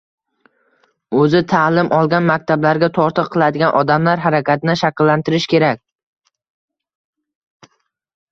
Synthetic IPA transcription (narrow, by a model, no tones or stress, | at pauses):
ɵzɪt̪ʰalɪmʔɒlˠɡʲanmakʲt̪ʰablaɾɡʲat̪ʰɒɾt̪ʰɨqʰːɨlˠad̪ɪɡʲanʔɒd̪amlaɾɦaɾakʲʰat̪ʰɪnɪʃakʲɪlːant̪ɪɾɪʃkʲe̞ɾakʲ